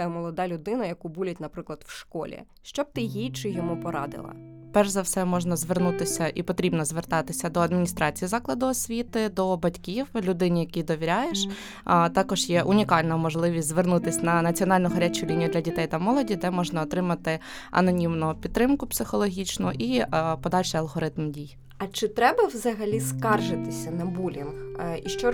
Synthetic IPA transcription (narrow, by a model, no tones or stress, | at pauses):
mɔlˠɔd̪ɑlʲʊd̪ɪnɐjɐkubulʲɛtʲnɐpɾɪklˠɐd̪wʃkɔ̰lʲḭ | ʃt͡ʃɔb̚t̪ɪjijt͡ʃɪjɔmupɔɾɑ̰d̪ɪ̰lˠɐ̰pɛrʒzɐwsɛmɔʒnɐzʋernut̪ɪsʲɐʔipɔt̪ɾʲibnɔzʋert̪ɑt̪ɪsʲɐd̪ɔɐd̪̚mʲnʲist̪ɾɑt͡sʲijizɑklˠɐd̪ʊɔsʲʋʲit̪ɪd̪ɔbɐtʲkʲiwlʲʊd̪ɪnʲijɐkʲid̪ɔʋʲiɾʲajeʃ | t̪ɑkɔʒjɛʔʊnʲikɑlʲnɐmɔʒlˠɪʋʲisʲzʋernut̪ɪsʲtʲnɐnɐt͡sʲiɔnɑlʲnʊɦɐɾʲɛt͡ʃʊlʲinʲijʊd̪lʲɐdʲit̪ɛjt̪ɐmɔlˠɔdʲid̪ɛmɔʒnɐɔt̪ɾɪmɐt̪ɪɐ̰nɔnʲimnʊpʲid̪ːɾɪmkʊpsɪxɔlˠɔɦʲit͡ʃnʊʔipɔd̪ɑlʲʃɛjɐlˠɦɔɾɪt̪mdʲij | ɐt͡ʃɪt̪ɾɛbɐwzɐɦɐlʲiskɑrʒɪt̪ɪsʲɐnɐbulʲɐnxiʃt͡ʃɔ